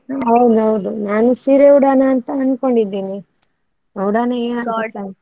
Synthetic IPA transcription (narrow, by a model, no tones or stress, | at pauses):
ɦɐwd̪uɦɐwd̪unaːnusiːɾeuɽaːnɐːnt̪ɐɐnkoɳɖid̪ːiːni | ɐwɽaːnɐeɐnkoʈa